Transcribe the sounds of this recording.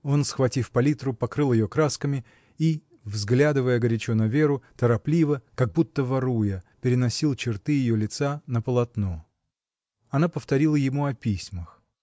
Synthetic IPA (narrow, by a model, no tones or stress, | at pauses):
o̞nsxvɐtʲifpɐlʲit̪rʊpɐkɾɨlˠjɪjo̞kɾaskəmʲɪ | i | vzɡlʲad̪ɨvəjəɡəɾʲɪt͡ɕonɐvʲeɾʊt̪əɾɐplʲivəkɐɡ̚but̪ːəvɐɾujəpʲɪɾʲɪnɐsʲilˠt͡ɕɪrt̪ɨjɪjolʲɪt̪sanəpəlˠɐt̪no̞ | ɐnapəft̪ɐɾʲilˠəjɪmuɐpʲisʲməx